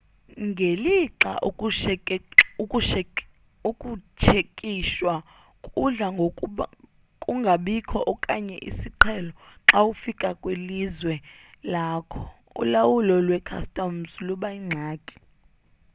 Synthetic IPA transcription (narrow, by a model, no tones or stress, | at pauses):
ŋɡʱeliǁa̰ʔ | uʃ | ukʼut͡ʃʰekʼiʃwa | kʼuɮaŋɡʱokʼɓ | kʼuŋɡʱaɓikʰɔʔɔkʼaɲɛ̰ʔḭsiǃʰɛlɔǁawufikʼakʼwelizwɛ | laːkʰɔ | ṵlawulɔlwɛkʰa̰stʼɔmsluɓaiŋ͡ǀʱaːkʼi̥